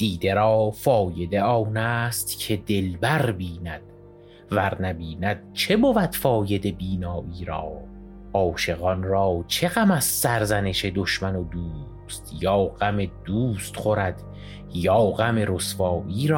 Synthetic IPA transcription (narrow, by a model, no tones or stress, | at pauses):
d̪̥iːd̪e̞ɾɒːfɒːje̞d̪e̞ɒːnæːst̪cʰe̞d̪e̞lbæɾbiːnæd̪̥ | væɾnæbiːnæd̪̥̚t͡ʃʰe̞bovæd̪̥fɒːje̞d̪e̞biːnɒːʔiːɾɒː | ʔɒːʃe̞ɣɒnɾɒːt͡ʃʰe̞ɣæmæzsæɾzæne̞ʃe̞d̪oʃmænod̪uː | st̪jɒːɢæme̞d̪uːst̪χoɾæd̪̥ | jɒːɣæme̞ɾosfɒːʔiːɾɒː